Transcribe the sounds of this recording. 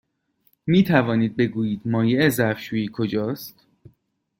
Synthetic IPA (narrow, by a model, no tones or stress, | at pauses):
miːt̪ʰævɒːniːd̪̚be̞ɡuːjiːd̪mɒːjeezæfʃuːjiːkʰo̞d͡ʒɒːst̪